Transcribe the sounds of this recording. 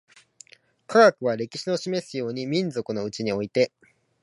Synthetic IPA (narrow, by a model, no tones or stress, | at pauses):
kʰaɡakɯ̟β̞aɾe̞kʲi̥ɕino̞ɕime̞sɨjo̞ːɲ̟imʲĩnzo̞kɯ̟no̞ɯ̟t͡ɕiɲ̟io̞it̪e̞